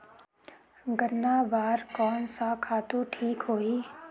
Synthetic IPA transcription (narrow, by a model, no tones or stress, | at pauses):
ɡənːabaːɾkɔːnsakʰaːt̪uʈʰiːkɦoːiː